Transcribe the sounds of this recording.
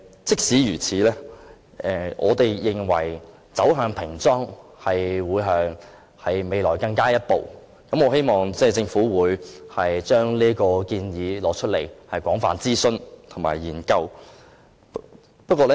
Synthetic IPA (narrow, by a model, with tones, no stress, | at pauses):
t͡sɪ˥k̚siː˨˥jyː˨˩t͡sʰiː˨˥lɛː˥ | ʔɛː˨ʔɔ̰ː˨˧t̪e˨jːɪ˨ŋwɐ̰˨˩j | t͡sɐ˨˥wɦœː˨˧ŋpʰɪ˨˩ŋt͡sɔː˥ŋhɐ˨jwuː˨˧jɦœː˨˧ŋ | hɐ˨jme˨jlɔː˨˩jkɐ˧ŋkaː˥jɐ˥t̚po˨˩w | kɐ˨˧mɔː˨˧ɦe˥jmɔː˨ŋt͡sɛː˥˩t͡sɪ˧ŋfuː˨˥wuː˨˧jhɐ˨jt͡ʃœː˥ŋliː˥kɔː˧kiː˧njiː˨˧lɔː˨˧t͡ʃʰɵ˥t̚le˨˩jhɐ˨jkʷɔː˨˥ŋfa̰ː˨nt͡siː˥sɵ˧nt̪ʰo˨˩ma̰ː˨˩jjiː˨˩nkɐ˧w | pɐ˥t̚kɔː˧lɛ˥